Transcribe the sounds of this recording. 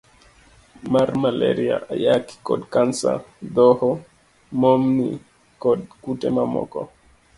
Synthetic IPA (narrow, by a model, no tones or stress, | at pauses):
maɾmalḛɾia̰ajaki̥kɔdkansa̰d̪ɔhɔ | momni | kɔdkutɛmamɔ̰kɔ